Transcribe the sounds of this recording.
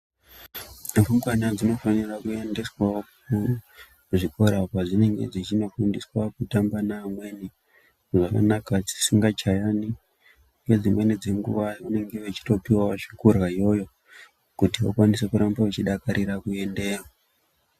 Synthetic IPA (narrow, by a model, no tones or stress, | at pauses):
nafumwanad͡zino̞fanirakue̞nde̞swao | ʐiko̞ɾapaʐine̞ŋɡe̞̰d͡zit͡ʃino̞fundiswakutambanaːmwe̞ni | ʐaka̰nakat͡si̥siŋɡat͡ʃajani | ŋɡe̞d͡zimwe̞nid͡ze̞ŋɡṵʋajune̞ŋɡe̞ʋet͡ʃi̥to̞piwawaʂi̥kurɣaijo̞jo̞ | kutiʋakwanisekuɾambaʋet͡ʃiɗakaɾiɾakue̞nde̞ːro